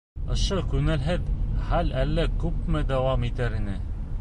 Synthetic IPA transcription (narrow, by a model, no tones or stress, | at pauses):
ŏʃɤkʉŋɘ̆lɦɘðχælælːækʉpmɘd̪æwɑmit̪æɾinɘ